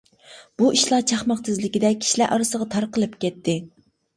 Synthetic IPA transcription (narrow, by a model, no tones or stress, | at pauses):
b̥uʔiʃlˠɑt͡ʃʰɑχmɑqst̪ʰɪzlɪkʲid̪ɛk̚ʲːʰi̥ʃlæɾʔɑɾɨsəʁɑt̪ʰɑɾqəlˠɨpkʲɛt̪ʰːɪ